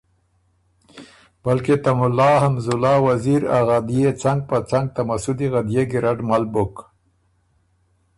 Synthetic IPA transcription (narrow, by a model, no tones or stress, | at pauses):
balket̪amʊlɑhamzʊlɑwaziɾaɣad̪ijet͡saŋɡ̚pət͡saŋɡ̚t̪amasud̪iɣad̪jeɡɪɾaɖmalbʊk